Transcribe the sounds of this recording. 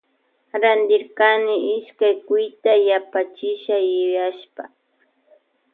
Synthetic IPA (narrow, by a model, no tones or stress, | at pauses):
ɾand̪ɪɾkanɪʔɪʃkajkʊjt̪ajapat͡ʃɪʃajʊjaʃpa̰